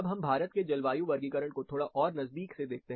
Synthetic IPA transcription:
bɦɐmbʱaːɾət̪ked͡ʒɐlʋaːjũʋɐɾɡikəɾəɽ̃kot̪ʰoːɽaʔɔːɾnɐzd̪iːksed̪eːk̚t̪eɦ

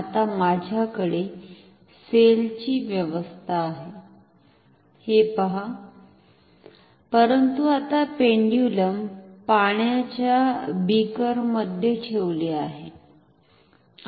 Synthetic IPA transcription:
at̪amad͡ʑʱjakəɽe | selt͡ɕiːʋjəʋəst̪ʰaːɦe | hepəɦa | pəɾənt̪uat̪apeɳɖijuləmpaɳ̃jat͡ɕjabikəɾməd̪ʱjeʈʰeʋleaɦe

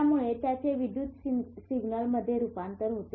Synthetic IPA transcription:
amuɭet̪jat͡ɕeʋid̪jut̪siɡnəlməd̪ʱːjeɾupant̪əɾɦot̪e

